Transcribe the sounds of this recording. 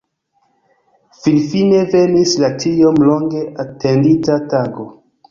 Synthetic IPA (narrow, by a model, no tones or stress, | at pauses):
finfine̞venislatiomloŋɡe̞ʔatenditataɡo